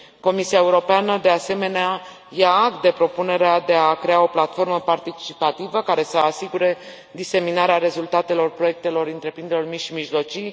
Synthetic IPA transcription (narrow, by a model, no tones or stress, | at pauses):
ko̞misiaeuɾo̞peanəd̪e̞ase̞me̞nea | jaːɡt̪d̪epɾo̞pune̞ɾead̪e̞akɾe̞ao̞plat̪fo̞rməpart̪it͡ʃipat̪ivəkaɾe̞səasiɡuɾe̞ | d̪ise̞minaɾeaɾe̞zult̪at̪e̞lo̞rpɾo̞je̞k̚t̪e̞lo̞rɨnt̪ɾe̞pɾind̪elormiʃimiʒlo̞t͡ʃij